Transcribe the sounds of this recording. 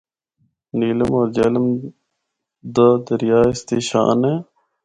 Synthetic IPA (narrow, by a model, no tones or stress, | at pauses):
niːləmɔːɾd͡ʒeːləm | d̪əd̪əɾjaːɪst̪eːʃa̰ːneː